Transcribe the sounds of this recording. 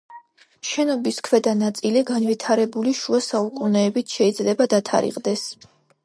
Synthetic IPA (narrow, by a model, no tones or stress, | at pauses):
ʃɛnɔbiskʰwɛd̪anat̪sʼiliɡanvit̪ʰaɾɛbuliʃuasaukʼunɛːbit̪ʰʃɛid̪zlɛbad̪at̪ʰa̰ɾḭqʼd̪ɛs